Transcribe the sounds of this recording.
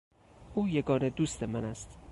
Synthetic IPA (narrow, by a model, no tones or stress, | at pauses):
ʔuːjeɡɒːned̪uːst̪ʰemænæst̪